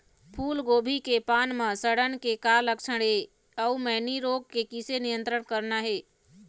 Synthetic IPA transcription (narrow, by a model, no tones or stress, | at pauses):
pʰuːlɡoːbʱikepaːnmə̃səɽənkekaləkt͡ʃʰəɽ̃ɦe | əumɛɦniɾoːɡ̚kekisenijə̃nt̪ɾəɽkəɾnaɦeː